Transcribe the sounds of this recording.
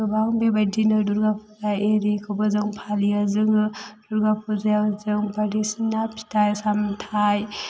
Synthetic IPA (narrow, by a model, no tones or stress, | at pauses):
ɯbaŋbebadinɯduɾɡapʰuzajeɾikʰɯbɔzɯŋpʰaliazɯŋɯd̥uɾɡapʰuzajzɯŋbaɾisinapʰi̥tajsamtʰaj